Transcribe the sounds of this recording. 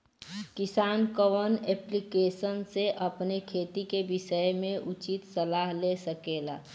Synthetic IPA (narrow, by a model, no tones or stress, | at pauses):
kɪsaːnkəʋəneːplikeːsənseʔɐpnekʰeːt̪ikebɪʃəjmẽʔʊt͡ʃɪt̪səlaːɦlesəkeːla̰ː